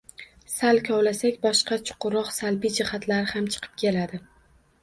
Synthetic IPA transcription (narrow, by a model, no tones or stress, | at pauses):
salkʲʰɒwlasakʲbɒʃqɑt͡ʃʰʊ̥qʰʊɾɒqsalbid͡ʒɪhat̪laɾɪhamt͡ʃʰɨ̥qʰɨ̥p̚kʲe̞lad̪ɪ